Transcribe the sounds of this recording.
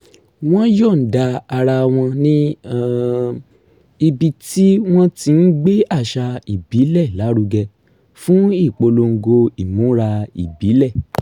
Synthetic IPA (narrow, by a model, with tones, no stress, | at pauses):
w̃ɔ̃˦jɔ˦˨n̩˨da˧a˧ɾa˧w̃ɔ̃˧nĩ˦˨ | i˧bi˧ti˦w̃ɔ̃˦ti˧n̩˦ɡ͡be˦a˦˨ʃa˧i˨bi˨˦lɛ˦˨la˨˦ɾu˧ɡɛ˧ | fũ˦i˦˨k͡po˧lo˧ŋ̩˧ɡo˧i˨mũ˨˦ɾa˧ḭ˨bi˨˦lɛ˦˨